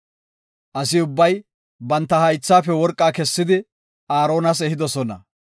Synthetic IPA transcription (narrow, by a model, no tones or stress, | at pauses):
ʔɐsɪʊbːɐj | bɐnt̪ːɐhɐjt͡sːaːfɛwɔɾkʼːaːkɛsːɪd̪ɪ | aːɾo̞ːnɐs̬ɛhɪd̪ɔsɔnɐ